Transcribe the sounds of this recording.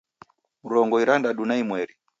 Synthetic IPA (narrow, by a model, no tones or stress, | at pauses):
muɾɔŋɡɔiɾandaɗunaimwɛɾi